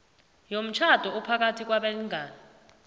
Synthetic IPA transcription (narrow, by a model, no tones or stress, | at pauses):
jom̩t͡ʃʰad̥ʱɔupʰak̬atʰik̬waɓeliŋʱaːni